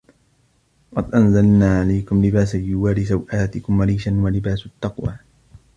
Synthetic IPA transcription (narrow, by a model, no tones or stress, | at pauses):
qɑd̪ʔanzalnaːʕalajkʊmlɪbaːsaljʊwaːɾɪsawʔaːt̪ɪkʊmːaɾiːʃanwalɪbaːsʊt̪ːɑqwa̰ː